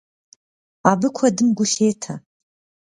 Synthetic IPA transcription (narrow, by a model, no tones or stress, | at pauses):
abɨkʷʰɐdɨmɡʷʊɬeːtʰa